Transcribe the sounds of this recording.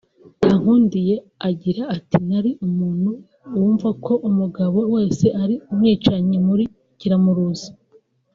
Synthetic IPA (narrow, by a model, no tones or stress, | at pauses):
taŋ̥huːndije̞ | aɟiɾaːtinaɾiʔumuːn̥hu | wuːɱvakʰo̞ʔumuɡaβo̞we̞ːse̞ʔaɾiumŋiːt͡ʃaɲimuɾi | ciɾamuɾuzḁ